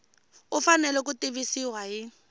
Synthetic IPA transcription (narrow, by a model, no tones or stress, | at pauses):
ʊfanɛlɛk̬ʊtʼibisiwajɪ